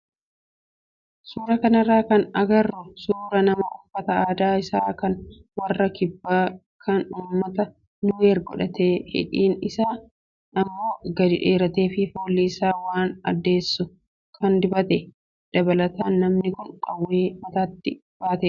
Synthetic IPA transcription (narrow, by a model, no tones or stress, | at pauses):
suːɾɐkɐnɐrːaːkɐnɐɡɐrːʊsuːɾɐnɐmɐʔʊfːɐt̪ɐaːd̪aːɪsaːkɐn | wɐrːɐkɪbːaː | kʰɐnuːmːɐt̪ɐ | nʊeːɾɡɔ̰ᶑɐt̪eːhɪ̰ᶑiːnɪsaː | ʔɐmːo̞ːɡɐd̪ɪᶑeːɾɐt̪e̞ːfɪfoːlːiːsaːwaːnɐ̰d̪ːe̞ːsːʊ | kʰɐnd̪ɪbɐt̪ɛ | d̪̥ɐbɐlɐt̪aːnːɐmnɪkʊnkʼɐwːeːmɐt̪aːt̪ːɪ | b̥aːt̪eː